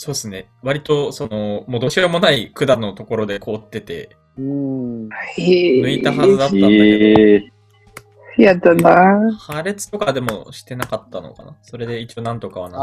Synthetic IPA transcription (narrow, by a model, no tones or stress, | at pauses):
so̞ːsɨne̞ | βaɾʲit̪o̞so̞no̞mo̞d̪o̞ɕiomo̞naikɯ̟d̪ano̞t̪o̞ko̞ɾo̞d̪e̞kʰo̞ːt̪ːe̞t̪e̞̰ | ɯ | enɯ̟it̪ahazɨd̪at̪ːa | jat̪ːanahaɾe̞t͡sɨ̥t̪o̞kad̪e̞mo̞ɕi̥t̪e̞nakat̪ːano̞̰ka̰na̰so̞ɾe̞d̪e̞it͡ɕio̞nãnt̪o̞kaβa̰na